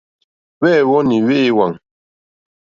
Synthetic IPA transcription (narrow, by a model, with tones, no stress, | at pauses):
wɛ˦˨wɔ˦ni˨we˦ʔːwa˨ŋ